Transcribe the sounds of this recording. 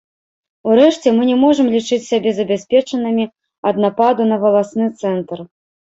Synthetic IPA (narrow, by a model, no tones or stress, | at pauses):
uɾɛʂt͡sʲɛmɨnʲɛmɔʐɨmlʲit͡ʂɨt͡sʲsʲabʲɛzɐbʲasʲpʲɛt͡ʂɐnɨmʲi | ɐd̪̚napad̪unɐvɐlˠasnɨt̪sɛnt̪r